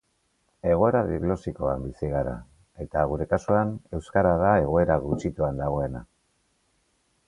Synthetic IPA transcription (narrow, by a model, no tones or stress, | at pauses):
e̞ɣ̞o̞e̞ɾaðiɣlo̞sikoambisiɣ̞aɾa̰ | e̞t̪aɣ̞uɾe̞kasuane̞wskaɾað̞ae̞ɣo̞e̞ɾaɣut͡ʃit̪uand̪aɣ̞o̞e̞na